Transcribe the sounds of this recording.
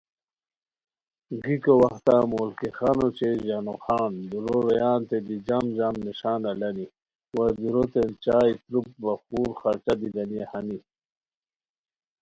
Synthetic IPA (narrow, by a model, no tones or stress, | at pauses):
ɡikowɐxt̪amoːlkixanot͡ɕeʑanoxaːnd̪uɾoɾejaːnt̪ed̪id͡ʑamzamniʂaːnalɐni | wad̪uɾot̪ent͡ɕaːjt̪ɾup̚baxuːɾxaɾt͡ɕad̪id̪ɐnijehani